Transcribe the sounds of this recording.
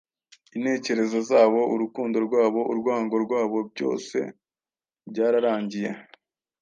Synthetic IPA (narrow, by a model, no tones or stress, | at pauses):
inhe̞ːce̞ɾe̞zo̞zaːβo̞ʔuɾukuːndo̞ɾɡwaːβo̞ʔuɾɡwaːŋɡo̞ɾɡwaːβo̞bɟo̞̰ːse̞̰ | bɟaːɾaɾaːɲɟije̞̰